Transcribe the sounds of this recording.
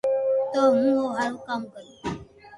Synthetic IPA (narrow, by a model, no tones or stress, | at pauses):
t̪omũoɦaɾkamkəi